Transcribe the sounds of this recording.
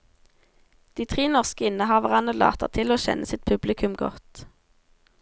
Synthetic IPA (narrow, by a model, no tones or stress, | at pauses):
d̪̥iːt̪ʰʁiːnɔʁskəɪnəhɑːʋəʁɑnəlɑ̰ːt̪ə̰ʁt̪ʰɪloːʃɛ̰nʔəsɪt̪̚pʰʉblɪkʰʉmɡɔ̰t̪